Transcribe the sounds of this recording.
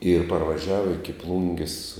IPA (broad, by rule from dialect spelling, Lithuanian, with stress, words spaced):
ɪr pɐrʋɐˈʒʲæːʋɐ ɪkʲɪ ˈplˠʊŋʲɡʲɪs